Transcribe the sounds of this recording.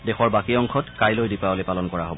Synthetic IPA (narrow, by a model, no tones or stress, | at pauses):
dɛxɔɹbakiɔŋkʰɔtkajlojdipaolepalɔnkɔɹaɦobɔ